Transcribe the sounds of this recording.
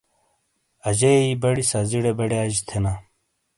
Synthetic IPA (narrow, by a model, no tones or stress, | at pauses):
ɐd͡ʑeibɐɽisaziɽebɐɽead͡ʑt̪ʰena